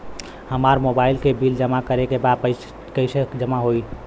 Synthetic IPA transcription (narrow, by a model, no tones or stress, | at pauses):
həmaɾmobailkebild͡ʒəmakəɾekebad̪̚pə | kəɪsed͡ʒəmaɦoj